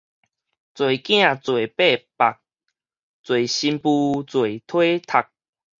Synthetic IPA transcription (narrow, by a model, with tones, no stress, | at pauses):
t͡swe˨˩kj̃ã˥˧˨t͡swe˨˩pe˥˧pa˨k̚ | t͡swe˨˩ɕi˧mpu˧t͡swe˨˩t̪ʰwe˦t̪ʰa˨˩k̚